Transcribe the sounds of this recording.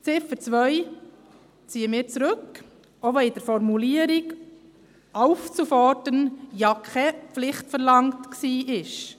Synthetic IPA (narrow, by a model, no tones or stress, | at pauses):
t͡sɪfət͡sʋœʏ | t͡siːəmɪːɾt͡sɾʉk | oʋɛɪd̥əɾfɔɾmuliəɾik | ɑʊft͡sufɔɾdənjɑkʰɛpflɪχtfəɾlɑŋtksiːʔɪʃ